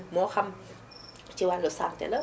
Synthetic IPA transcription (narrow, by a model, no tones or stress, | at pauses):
mɔxɐm | t͡ʃiwanlɔsaŋt̪ɛ̰lə